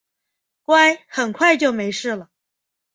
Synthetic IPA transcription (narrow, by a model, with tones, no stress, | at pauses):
kwa˥ɪxə˨˩nkʰwa˥˧ɪt͡ɕjo˥˩ʊme˧˥ɪʂɻ̩˥˩lə˩